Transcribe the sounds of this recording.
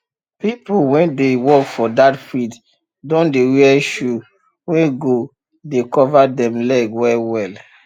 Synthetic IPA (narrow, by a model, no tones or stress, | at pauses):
pipulwɛ̃ndewɔkfɔdatfid | dõndewiɛʃu | wɛ̃ɡo | dekɔvadɛ̃mlɛɡwɛlwɛl